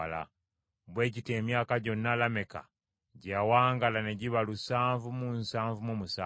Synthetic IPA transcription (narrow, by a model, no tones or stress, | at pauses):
la̰ | βwe̞ːcite̞ːmjaːkaɟo̞nːalame̞ka̰ | ɟawaːŋɡalane̞ɟiβalusaːɱvumunsaːɱvumumusaː